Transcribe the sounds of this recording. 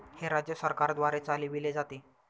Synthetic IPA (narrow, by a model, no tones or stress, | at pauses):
heɾad͡ʑjəsəɾkaɾd̪ʋaɾet͡saliʋiled͡zat̪e